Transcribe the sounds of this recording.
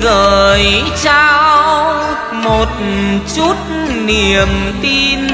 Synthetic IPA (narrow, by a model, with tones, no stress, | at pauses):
ɣəː˧˨˩jt͡ɕa˧ww | mo˨˩t̚t͡ɕu˦˥t̚ | ni˨˩əmt̪i˧n